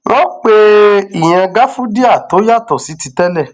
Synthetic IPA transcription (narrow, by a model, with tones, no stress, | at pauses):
w̃ɔ̃˦k͡pe˧i˨j̃ã˧ɡa˦fũ˦di˦a˦˨to˨˦ja˦˨tɔ˨si˨˦ti˧tɛ˦lɛ˦˨